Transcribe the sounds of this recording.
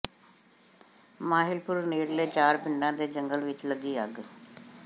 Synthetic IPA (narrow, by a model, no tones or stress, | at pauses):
maːɦɪlpʊɾneːɽleːt͡ʃaːɾpɪɳɖãːd̪eːd͡ʒəŋɡəlʋɪt͡ʃləɡiːəɡ